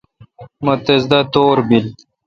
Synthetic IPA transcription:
mot̪ezd̪at̪oːɾbil

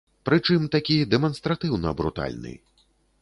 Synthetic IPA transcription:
pɾɨt͡ʂɨmt̪akʲijɛd̪ɛmɐnst̪ɾat̪ɨwnɐbɾṵt̪a̰lʲnɨ̰

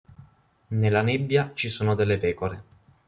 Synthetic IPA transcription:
nelːanebːjat͡ʃisuːnod̪elːepɛːkoɾe

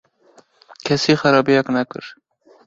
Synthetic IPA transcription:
kʲʰɛsiːxɛɾɑːbijɛknɛkɨ̰ɾ

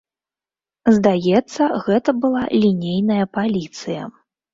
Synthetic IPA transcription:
zd̪ajɛt̪sːɐɣɛt̪ɐbɨlˠa̰lʲinʲejnɐjɐpalʲit̪sɨjɐ̰

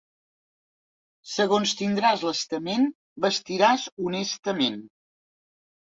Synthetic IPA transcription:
səɣonst̪ind̪ɾazləst̪əmen | bəst̪iɾazunɛst̪əmen

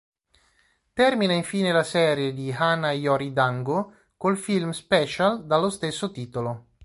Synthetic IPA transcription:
t̪ɛrminaiɱfiːnelasɛːɾjed̪ihanajɔɾid̪aŋɡo | kolfilmspɛːt͡ʃald̪alːost̪esːot̪iːt̪olo

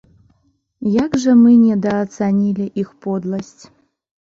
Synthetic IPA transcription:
jaɡʐəmɨnʲɛd̪ɐːt̪t͡s̪anʲilʲiʔixpod̪lˠɐsʲtʲ

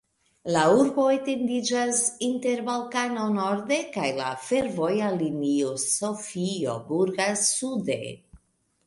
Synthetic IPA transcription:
lauɾbo̞et̪e̞ndid͡ʒasinte̞ɾvalkanonoɾd̪e̞kajla̰fe̞ɾvo̞jaliniosofio̰buɾɡasud̪ḛ

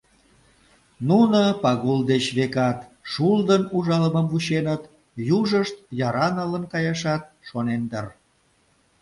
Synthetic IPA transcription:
nunopɑɣuld̪et͡ɕβekɑt̪ʃuld̪ənuʒɑlməmvut͡ɕenət̪ | juʒəʃt̪̚jɑɾɑnələnkɑjɑʃɑt̪̚ʃonend̪ər

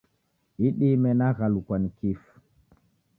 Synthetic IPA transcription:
iɗimɛnaɣalukwanikif

